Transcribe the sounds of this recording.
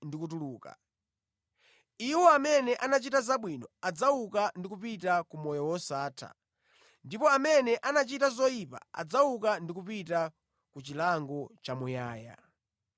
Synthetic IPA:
ndikutuluːka̰ | iwɔamɛnɛʔanat͡ʃitazaɓwinɔad͡zawukandikupitakumɔjɔwɔsaːtʰa̰ | ndipɔamɛnɛʔanat͡ʃitazɔipa̰a̰d͡zawukandikupita | kut͡ʃilaŋɡɔt͡ʃamujaːja̰

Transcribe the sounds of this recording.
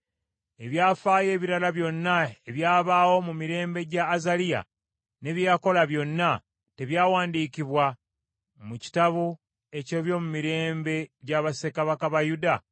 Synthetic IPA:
e̞βjaːfaːje̞ːβiɾalaβjo̞nːae̞βjaːβaːwo̞mumiɾe̞ːmbe̞ɟaːzalija̰ | ne̞βjaːko̞laβjo̞nːa | te̞βjaːwaːndiːciβwa | muci̥taβu | e̞co̞βjo̞ːmumiɾe̞ːmbe̞ɟaβase̞kaβakaβajuda

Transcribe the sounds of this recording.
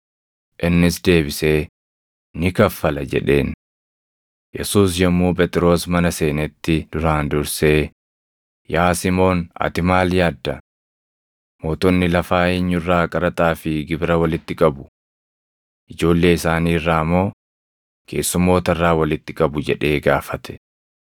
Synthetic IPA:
ʔɪnːɪsd̪e̞ːbɪse̞ː | nɪkɐfːɐlɐd͡ʒɛ̰ᶑe̞ːn | jɛ̰suːsjɐmːuːpʼɛt̪ʼɪɾo̞ːsmɐnɐse̞ːnɛt̪ːɪd̪̥ʊɾaːnd̪ʊɾse̞ː | jaːsɪmo̞ːnɐ̰t̪ɪmaːljaːd̪ːɐ | mo̞ːt̪ɔnːɪlɐfaːeːɲːʊrːaːkʼɐɾɐt̪ʼaːfɪɡɪbɾɐwɐlɪt̪ːɪkʼɐbʊ | ʔɪd͡ʒo̞ːlːe̞ːɪsaːniːrːaːmːo̞ː | kʰe̞̰ːsːʊmːo̞ːt̪ɐɪrːaːwɐlɪt̪ːɪkʼɐbʊd͡ʒɛᶑe̞ːɡaːfɐt̪ʰɛ̥

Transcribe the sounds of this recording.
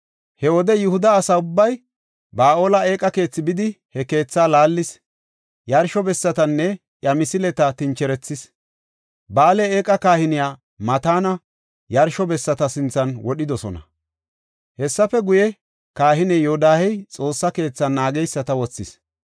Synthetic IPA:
hɛwɔd̪ɛjɪhʊd̪ɐːsaʊbːɐj | baːʔo̞ːlɐe̞ːkʼːɐke̞ːt͡sːɪbɪd̪ɪ | hɛke̞ːt͡sːaːlaːlːɪs | jɐɾʃɔbɛsːɐt̪ɐnːɛ | ʔjɐmɪsɪlɛt̪ɐt̪ɪnt͡ʃɛɾɛt͡sːɪs | baːlɛeːkʼɐkaːhɪnɪjaː | mɐt̪aːnɐ | jɐɾʃɔbɛsːɐt̪ɐsɪnt͡sːɐnwɔɗɪd̪ɔsɔ̰nɐ̰ | hɛsːɐfɛɡʊjɛ | kaːhɪnɛjoːd̪aːhɛjt͡sʼo̞ːsːɐke̞ːt͡sːɐnːaːɡɛjsːɐt̪ɐwɔt͡sːɪs

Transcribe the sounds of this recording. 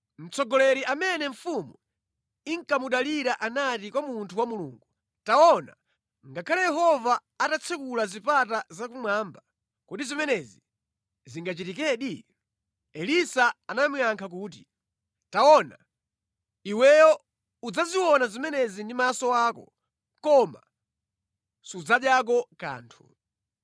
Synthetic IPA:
m̩t͡sʰɔɡɔlɛɾiʔamɛnɛɱ̩fumu | iŋkamuɗaliɾaʔanatikwamuntʰuwamulṵːŋɡu | tawɔna̰ | ŋɡakʰalajɛɦɔvaː | tat͡sʰɛkulazipatazakumwaːmba | kutizimɛnɛzi | ziŋɡat͡ʃitikɛːɗi | ɛlisaanamiaŋkʰak̬uːt̬i | taɔna | iwɛjɔ | ud͡zaziwɔnazimɛnɛzindimasɔwaːkɔ | kɔma̰ | sud͡zaɗjak̬ɔka̰ːntʰṵ

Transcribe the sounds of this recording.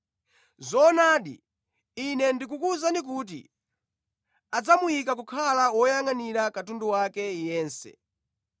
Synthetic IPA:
zɔnaɗḭ | inɛndikukuzanik̬uːt̬ḭ | ad͡zamujik̬ak̬ukʰalawɔjaŋaniɾakatunduwakɛjɛːnsɛ̰

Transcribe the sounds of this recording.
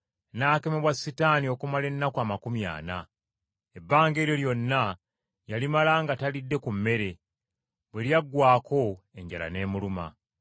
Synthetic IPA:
naːke̞meβwasːitaːnio̞kumale̞nːakwaːmakumja̰ːna | e̞bːaːŋɡe̞ːɾjo̞ljo̞nːa | jalimalaŋɡatalidːe̞kumːe̞ɾe̞ | bweljaɡːwaːko̞ | e̞ɲɟala̰ne̞ːmuluma̰

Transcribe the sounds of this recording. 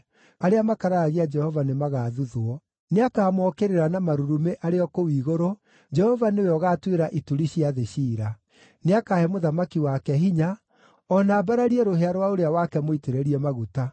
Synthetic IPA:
aɾeamakaɾaɣiad͡ʒɛhɔvanemaɣaːðuðoɔ | neakaːmɔkeɾeɾanamaɾuɾumeʔaɾeɔkowiːɣoɾo | d͡ʒɛhɔvaneoeɔɣaːtweɾaʔituɾiɕiaðeɕiːɾa | neakahɛmoðamakiwakɛɦiɲa | ɔnaːbaɾaɾiɛɾoɦeaɾwaoɾeawakɛmoiteɾeɾiɛmaɣuta

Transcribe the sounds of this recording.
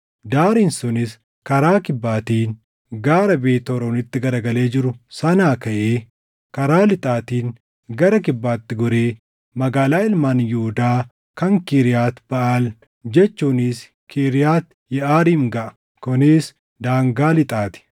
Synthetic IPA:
d̪aːɾiːnsʊnɪs | kɐɾaːkɪbːaːt̪iːn | ɡaːɾɐbeːt̪ɔɾonɪt̪ːɪɡɐɾɐɡɐle̞ːd͡ʒɪɾʊsɐnaːkɐʔeː | kɐɾaːlɪt̪ʼaːt̪iːŋ | ɡɐɾɐk̬ɪbːaːt̪ːɪɡɔɾeː | mɐɡaːlaːɪlmaːnjuʊd̪aː | kɐŋkiːɾɪjaːt̪b̥ɐʔal | d͡ʒɛt͡ʃːuːnɪs | kʰiɾɪjaːt̪ | jɛʔaːɾiːŋɡɐʔɐ̥ | kʊnɪs | d̪aːŋɡaːlɪt̪ʼaːt̪ɪ̥

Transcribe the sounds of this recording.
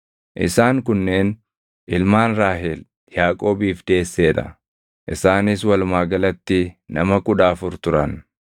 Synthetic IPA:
ʔɪ̰saːŋkʊnːeːn | ʔɪlmaːnɾaːɦɛl | jaːkʼo̞ːbiːfd̪e̞ːsːe̞ːᶑɐ̰ | ʔɪsaːnɪs̬wɐlmaːɡɐlɐt̪ːɪnɐmɐkʊᶑaːfʊɾt̪ʊɾɐn

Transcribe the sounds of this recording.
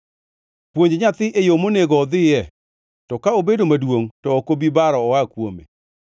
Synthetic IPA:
pwoɲd͡ʒɲat̪ɪʔejomoneɡɔːd̪ɪjɛ | tɔkaobedomadwoŋtɔːkobibaɾɔːakwomḛ

